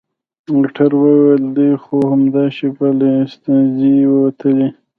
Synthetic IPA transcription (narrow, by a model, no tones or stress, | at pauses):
moʈʰaɾwəweld̪əjxohamd̪ɑʃipalest̪anziwəwat̪ʰəli